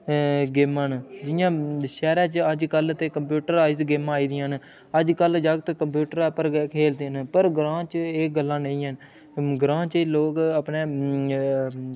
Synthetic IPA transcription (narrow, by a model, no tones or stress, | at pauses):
ɡeːmãːnd͡ʒɪjãːʃɛːɾãːt͡ʃəd͡ʒkəlt̪eːkəmpjuːʈəɾaːiːzɡeːmaːiːd̪ɪjãːn | əd͡ʒkəld͡ʒaːɡt̪ːkəmpjuːʈəɾapəɾkʰeːld̪enpəɾɡɾãːt͡ʃeːɡəlːãːnə̃ĩːɦən | ɡɾãːt͡ʃeːloːkəpneː